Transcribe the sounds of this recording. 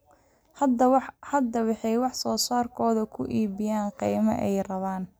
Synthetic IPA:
ɐd̪whɐd̪ɐwɑħɑjwɑħsɔːsaːrkʰɔːðɐkʰʊ̰ʔiːβɪjaːɴqijmɐ̰ʔɛjrɐβaːn

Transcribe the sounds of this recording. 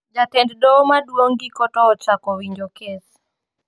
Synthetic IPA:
d͡ʒatɛnddɔmadwoŋɡɪkɔtɔːt͡ʃakɔwiɲd͡ʒokes

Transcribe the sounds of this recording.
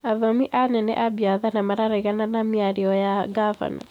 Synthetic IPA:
aðɔmiʔanɛnɛ̰ʔabiaðanamaɾaɾaiɣananamiaɾiɔjaɡava̰na̰

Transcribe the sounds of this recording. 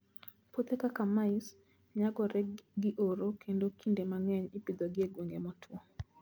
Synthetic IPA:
pɔt̪ɛkakamais | ɲaɡɔɾɛɡiʔɔɾɔkʰɛndɔkʰindɛmaŋɛɲipid̪ɔɡiɛɡwɛŋɡɛmɔtʰuɔ

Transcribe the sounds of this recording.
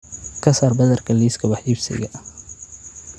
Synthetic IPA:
kʰɐsaːrbɐðɐrkʰɐliːskʰɐwɑħjiɾsɪ̰ɣɐ

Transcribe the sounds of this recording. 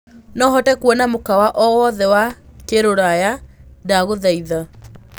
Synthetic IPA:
nɔɦɔtɛkwɔnamokawaʔɔwɔðɛwakeɾoɾajadaɣoðɛiða

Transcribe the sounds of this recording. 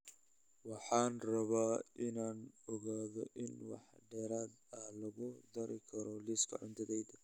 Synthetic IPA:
wɑħɑːnrɐβaːʔɪnaːnɔɣaːðɔʔɪnwɑ̰ħɖɛːɾaːd̪ɐlɐɣʊd̪ɐɾɪkʰɐɾɔlɪskʰɐ̰ʕʊnt̪ʰɐðɛjd̪

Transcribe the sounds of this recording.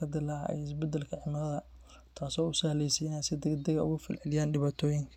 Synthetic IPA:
kʰɐd̪ɪla̰ɛ̰jɪsbɛd̪ɛlkʰɐʕɪmɪlɐðɐ | t̪ʰaːsɔːʊsɐhlɛjsijansɪd̪ɛɡd̪ɐɣɐʊ̰ɣʊfɪlʕɪlɪjaːnɖɪβaːt̪ʰɔːjɪŋkʰɐ

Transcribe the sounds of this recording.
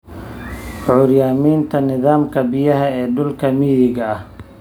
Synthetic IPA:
ʕʊːɾjaːmiːnt̪ʰɐnɪðaːmkʰɐbɪjɐɦɐɛːɖʊlkʰɐmiːjɪɣɐɐh

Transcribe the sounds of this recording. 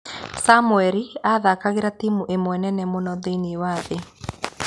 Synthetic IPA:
samuɛɾiaðakaɣeɾatimuʔemwɛnɛnɛmonɔðeiniewaðe

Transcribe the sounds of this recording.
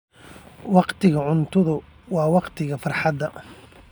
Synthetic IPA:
wɑqt̪ʰɪɣɐʕʊnt̪ʰʊðʊ | wɑːwɑqt̪ʰɪɣɐfɑrħɑd̪ːɐ

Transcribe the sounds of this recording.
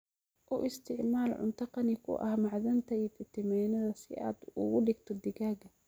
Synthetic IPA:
ʔʊʔɪst̪ʰɪʕmaːlʕʊ̰nt̪ʰɐqɑnɪkʰʊ̰ʔɐ̰hmɑʕðɐnt̪ʰɐit̪ɪt̪ʰɪmɛːnɐðɐsɪʔa̰ːd̪ʊ̰ɣʊɖɪɡt̪ʰɔd̪ɪɣaːɡɐ

